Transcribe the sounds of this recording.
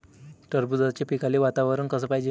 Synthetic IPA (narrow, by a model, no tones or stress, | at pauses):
ʈəɾbud͡zat͡ɕepikaliʋat̪aʋəɾənkəsəːpajd͡ʑe